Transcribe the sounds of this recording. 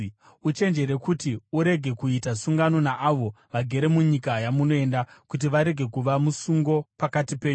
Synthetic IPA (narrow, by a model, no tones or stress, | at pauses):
ut͡ʃe̞nd͡ʒe̞ɾe̞kutiuɾe̞ɡʱe̞kuitasuŋɡano̞naʔaʋo̞ | ʋaɡʱe̞ɾe̞muɲikajamuno̞e̞ndakut̬iʋaɾe̞ɡʱe̞kuʋamusuŋɡo̞pakatipeːɲ